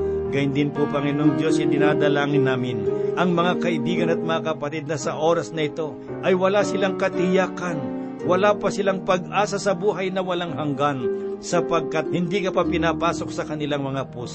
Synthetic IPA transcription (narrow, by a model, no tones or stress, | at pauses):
ɡaɪnd̪ɪnpupɐŋɪnoŋd̪jo̞sɪd̪ɪnaːd̪ɐlaːŋɪnːaːmɪnʔɐŋmɐŋakɐʔɪbiːɡɐnɐt̪̚mɐŋakɐpɐt̪ɪd̪̚nɐsɐʔoːɾɐsnɐɪt̪o̞ | ʔɐjwɐlasɪlaŋkɐt̪ɪjaːkɐn | wɐlaːpɐsɪlaŋpɐɡʔaːsasɐbuːɦɐjnɐwɐlaŋɦɐŋɡansɐpɐɡ̚kat̪̚hɪnd̪ikɐpapɪnapaːso̞k̚sɐkɐnɪlaŋmɐŋapuːs